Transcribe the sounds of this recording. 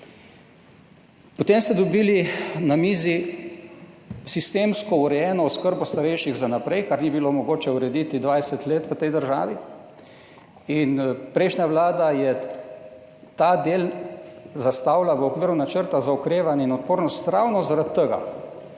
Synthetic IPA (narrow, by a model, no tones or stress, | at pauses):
pɔt̪emst̪ɛd̪ɔbiːlinamiːzi | sist̪emskɔuɾɛjɛːnɔːskəɾbɔst̪aɾɛjʃiɣzanapɾɛjkaɾnibilomɔɡoːt͡ʃɛuɾɛd̪it̪id̪ʋajsɛt̪leːt̪ʋət̪ɛjd̪əɾʒa̰ːʋi | inpɾɛjʃnʲjaʋlaːd̪ajɛ | t̪ad̪eːl | zast̪awlaʋəokʋiːɾunat͡ʃəɾt̪azaɔkɾeːʋanjɛinɔt̪̚poːɾnɔst̪ɾawnɔzaɾat̪t̪ːəɡa̰